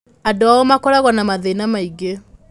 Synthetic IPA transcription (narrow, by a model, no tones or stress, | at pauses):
adoaɔmakɔɾaɣɔnamaðenamaiɡe